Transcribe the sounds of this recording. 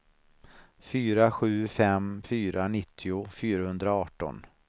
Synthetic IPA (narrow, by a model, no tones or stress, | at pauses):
fyːɾaɧʉ̟ːfɛmfyːɾanɪt̪ʰːɪʊfyːɾahɵnd̪ɾaɑːʈɔ̰n